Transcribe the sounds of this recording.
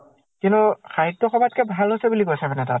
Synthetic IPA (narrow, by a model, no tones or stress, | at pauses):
kintuxaɦik̚tɔxɔbat̚kɛbʱalosɛbulikɔsabɛnɛtat